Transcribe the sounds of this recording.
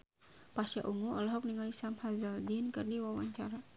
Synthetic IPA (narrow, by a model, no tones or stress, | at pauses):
pasja̰ʔuŋuɔlɔɦɔk̚niŋalisamhazaldinkərdiwawaɲt͡ʃaɾa